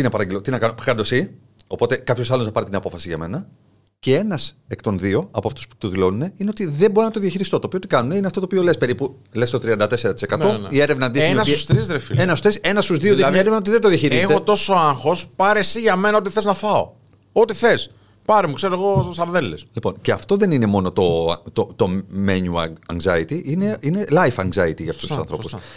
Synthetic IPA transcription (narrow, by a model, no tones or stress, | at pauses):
inɐpɐɾɐɟelot̪inɐkɐnopkɐnd̪o̞si | o̞po̞t̪e̞kɐpço̞sɐlo̞znɐpɐɾit̪inɐpo̞fɐsiʝɐ̰me̞̰nɐ | ce̞e̞nɐsekt̪o̞nðio̞ɐpoɐft̪o̞spu̥t̪oðilo̞nune̞ineo̞t̪iðemboɾinɐt̪oðjɐçiɾist̪o̞t̪oːpiot̪ikɐnune̞ineɐft̪oopio̞le̞spe̞ɾipu | le̞st̪ot̪ɾiɐnd̪ɐt̪e̞seɾɐt̪i̥sekɐno̞ie̞ɾevnɐːnd̪ienonɐsust̪ɾizðɾefḭlenɐsst̪ɾise̞nɐst̪uzðioðiɐɐmɐeɾevnɐot̪iðed̪oðiɐçiɾissexteot̪o̞so̞ɐŋxo̞spɐɾesiʝɐme̞nɐo̞t̪iθe̞znɐθɐo̰ | ot̪iθe̞s | pɐɾemukseɾoeɣo̞sɐɾðelːeslipo̞̰nce̞ɐft̪o̞ðe̞nine̞mo̞not̪o̞̰t̪ot̪o̞meɲuɐ̰ɐŋzɐ̰it̪iʔine̞ine̞lɐjfɐŋɡzɐit̪iʝɐft̪ostusɐ̰nθɾo̞̰pus